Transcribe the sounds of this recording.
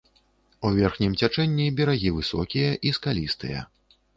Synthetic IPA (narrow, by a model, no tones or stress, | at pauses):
uvʲɛrxnʲimt͡sʲat͡ʂɛnʲːibʲɛɾaɣʲivɨsɔ̰kʲijɐʔiskalʲist̪ɨjɐ̰